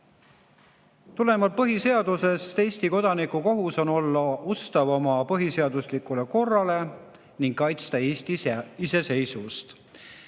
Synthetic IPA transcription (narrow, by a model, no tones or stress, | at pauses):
t̪ule̞mɑlpɤɦise̞ɑd̪use̞st̪e̞ːsʲt̪iko̞d̪̥ɑnikːˑuko̞ɦuso̞no̞lːɑust̪ɑvɑmɑpɤɦise̞ɑd̪̥uslikːˑule̞ko̞rːɑle̞ | niŋɡkɑjt̪st̪ɑeːst̪iise̞se̞jsust̪